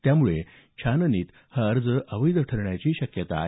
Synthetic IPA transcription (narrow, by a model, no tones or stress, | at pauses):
t̪jamuɭe | t͡ɕʰanəniːt̪ | həəɾd͡zəʔəʋəjd̪əʈʰəɾɳjat͡ɕiːɕəkjət̪a̰